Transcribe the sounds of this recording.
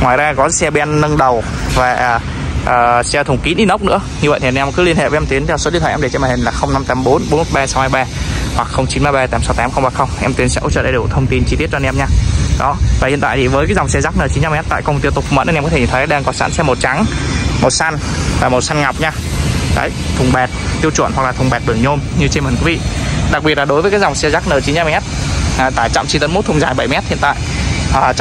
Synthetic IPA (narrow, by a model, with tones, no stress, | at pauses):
ŋwaː˨˩jzaː˧kɔ˨˦sɛ˧ɓi˧a˧nːə˧ŋɗə˨˩w | vaː˨˩ʔ | ʔəː˨˩sɛ˧t̪ʰʊ˨˩ŋ͡mki˨˦nʔi˧nə˦˥k͡p̚nɨ̰˧˥əɲɨ˧ə̰˧˨t̪ʰi˨˩˨mkɨ˨˦li˧ənhḛ˧˨və˨˦ɛ˧mt̪i˨˦ənʰɛ˧wso˨˦ɗi˧˨t̪ʰwːɗe˧˩t͡ɕɛ˧mː˨˩hi˨˩laː˨˩xə˧wŋ͡mna˧mt̪aː˨˦mɓo˨˦nɓo˨˦mo˨˩t̚ɓaː˧sa˨˦whaː˧jɓaː˧hwa˨˩k̚xə˧wŋ͡mt͡ɕi˨˦nmaː˧jɓaː˧t̪aː˨˦msa˨˦wt̪aː˨˦mxə˧wŋ͡mɓaː˧˩xə˧wŋ͡mʔɛ˧mt̪wi˨˦əsɛ̰˧˥ʔo̰˧˦t͡ɕə̰ː˧˩ɗa˨˧˩u˧˩t̪ʰə˧wŋ͡mt̪i˧nt͡ɕi˧t̪i˦˥ət̚t͡ɕɔ˧ɛ˧mɲaː˧ɗɔ˨˦vaː˨˩hḭ˧˨nt̪a̰ː˧˨jt̪i˨˩vəː˨˦jkaː˨˦jza˨˩wŋ͡msɛ˧zaː˦˥k̚nəː˨˩t͡ɕi˨˦nt͡ɕa˧mɛ˦˥t̚t̪a̰ː˧˨jkə˧ŋ͡mt̪i˧wt̪ʊ˨˩fmə̰˧˥ʔnɛ˧mkɔ˨˦e˧˩˨t̪ʰɗaː˧ŋkɔ˨˦sa̰ː˧˥nsɛ˧mːo˨˩t̚t͡ɕa˨˦ŋmo˨˩t̚sa˧n | vaː˨˩mo˨˩t̚sa˧nŋa˨˩wk͡p̚ɲaː˧ | ka̰ː˧˥˦jt̪ʰʊ˨˩ŋ͡mɓɛ˨˩t̚t̪i˧əwt͡ɕw̰nwa˨˩k̚laː˨˩ʊ˨˩ŋ͡mɓɛ˨˩t̚ɓɨ˧˩əŋɲo˧mɲɨ˧t͡ɕe˧məː˨˩nkwi˨˦vḭ˧˨ɗa˨˩k̚ɓi˨˩ət̚laː˨˩ɗo˨˦jvəː˨˦jkːaː˨˦˥jza˨˩wŋ͡msɛ˧zaː˦˥k̚nəː˨˩t͡ɕi˨˦nt͡ɕa˧mɛ˦˥t̚ːt̪aː˧˩t͡ɕa̰˧˨mt͡ɕi˧t̪ə˨˦mo˦˥t̚t̪ʰŋ͡mzaː˨˩jɓə˧˩jmɛ˦˥t̚hḭ˧ənt̪a̰ː˧˨jʔəː˨˩